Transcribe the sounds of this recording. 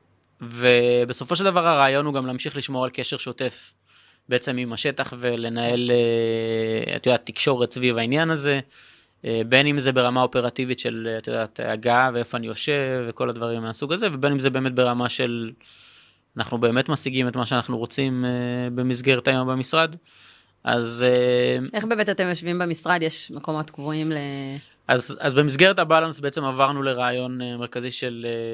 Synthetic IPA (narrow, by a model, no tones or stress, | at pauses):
ve̞beso̞fo̞ʃeld̪avaʁhaʁaːjonuɡamlaːmʃiχliʃmo̞ʁalke̞ʃe̞ʁʃo̞te̞f | beet͡se̞mimaʃe̞taχve̞le̞nae̞le | a̰t̪ojodatikʃo̞ʁetsvivainjanaze̞ | ʔebe̞nimzebe̞ʁamao̞pe̞ʁativitʃelat̪jod̪aːt̪ːaɡaveefoanijo̞ʃe̞vːeko̞lad̪vaʁimːeasuɡaze̞ve̞be̞nimzebe̞ːme̞t̪̚be̞ʁamaʃe̞l | anaχnube̞ːme̞t̪masiɡime̞tmaʃeanaχnuʁo̞t͡simebe̞misɡe̞ʁet̪ajo̞mbemisʁad̪ | ʔa̰zeeχbe̞ːmet̪atemjoʃvimbemisʁad̪jeʃmeko̞mo̞t̪ɡvoimle | ʔazazbe̞mis̬ɡe̞ʁetabalansbeet͡semavaʁnule̞ʁaːjo̞nemeʁkaziʃe̞le